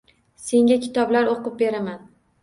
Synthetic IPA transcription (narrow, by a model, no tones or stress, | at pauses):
se̞ŋʲakʲʰɪ̥t̪ɒblaɾoqɨp̚be̞ɾaman